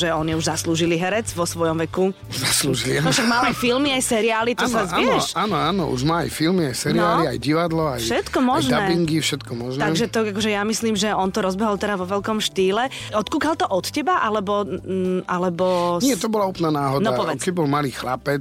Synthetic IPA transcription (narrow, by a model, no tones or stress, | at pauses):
ʒɛɔɲiuʒzasluːʒiliɦɛɾɛd͡zʋɔsʋɔjɔmʋɛku | zasluːʒilinɔʃaɡmaːlajfilmiajsɛɾiaːlit̪ɔsazɪɛʃaːnɔaːnɔ̰ṵʒmaːa̰jfilmiajsɛɾiaːlia̰jɟiʋad̪lɔajʃɛt̪kɔmɔʒnd̪aɛbiŋɡifʃɛt̪kɔmɔʒnaɡʒɛt̪ɔakɔʒɛjamisliːmʒɛɔnt̪ɔɾɔzbɛɦɔlt̪ɛɾaʋɔʋɛlkɔmʃt̪iːlɛ | ɔt̪kuːkalt̪ɔʔɔt̪cɛbaʔalɛbɔ | alɛbɔnɪɛt̪ɔbɔlauːpnanaːɦɔdnɔapɔʋɛkɛɟ̚bɔlmaliːxla̰pɛt͡s